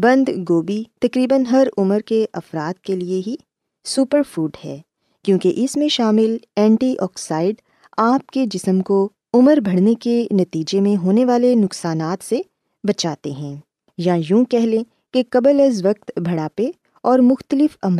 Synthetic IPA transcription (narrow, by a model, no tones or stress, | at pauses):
bɐ̃nd̪ɡoːbit̪ɐkɾiːbənɦɐɾʊməɾkeʔɐfɾaːt̪̚kelieɦi | suːpəɾfuːɖhɛː | kjõːkeʔɪsmẽʃaːmɪlɛ̃ːɳʈiʔɔːksaːɪɖ | aːp̚ked͡ʒɪsəmko | ʊməɾbʱɐɽ̤nekenɐt̪iːd͡ʒemẽɦoːneʋaːlenʊksaːnaːt̪se | bɐt͡ʃaːt̪eɦɛ̃ː | jɐjũːkɛɦlẽ | kekɐbələzʋɐk̚t̪bʱɐɽaːpe | ɔːɾmʊxt̪əlɪfɐmɾ